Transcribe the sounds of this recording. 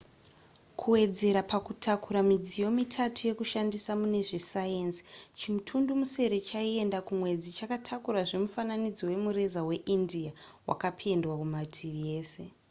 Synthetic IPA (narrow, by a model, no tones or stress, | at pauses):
kʰuwe̞d͡ze̞ɾapakutʰakuɾamid͡zijo̞mitʰatʰuje̞kuʃandisamune̞ʐesajensi̥t͡ʃimutʰundumuse̞ɾe̞t͡ʃaie̞ndakumwe̞d͡zit͡ʃakatʰakuɾaʐe̞mufananid͡zo̞we̞muɾe̞zawe̞ʔindiawʔa̰kapʰe̞ndwakumatʰirije̞ːse̞